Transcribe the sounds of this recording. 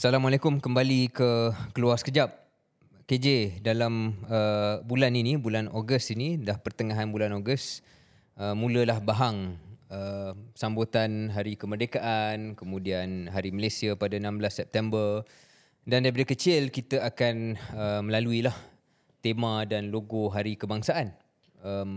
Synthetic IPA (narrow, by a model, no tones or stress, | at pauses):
salamalekʊmkəmbalikəkəluarsə̥kəd͡ʒap̚ | ked͡ʒedalaməbulaninibulanoɡəstinidahpərt̪əŋaɦanbulanoɡəs | əmũləlahbaɦaŋəsambot̪anɦaɾikəmərdekaʔankəmũdianɦaɾiməlesiapadanãmblasːɛp̚t̪ɛmbər | dandajip̬adəkət͡ʃɪlkit̪əakanəməlaluilah | t̪emãdanloɡoɦaɾikəbaŋsaʔan | əm